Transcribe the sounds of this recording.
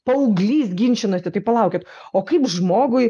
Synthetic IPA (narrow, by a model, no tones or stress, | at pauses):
pɐʊɡlʲiːsɡʲɪnʲt͡ʃʲɪnoːsʲɪt̪ɐɪpɐlˠɐˑʊkʲet̪oːkɐɪpʒmoːɡʊɪ